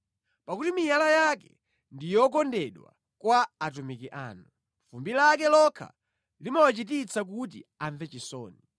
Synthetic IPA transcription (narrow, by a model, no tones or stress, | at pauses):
pakutimijalajakɛ̰ | ndijɔk̬ɔndɛɗwa̰ | kwaːt̬umikiʔa̰ːnu | fumbilakɛlɔkʰa̰ | limawat͡ʃit̬it͡sʰak̬ut̬ḭaɱvɛt͡ʃisɔ̰ːni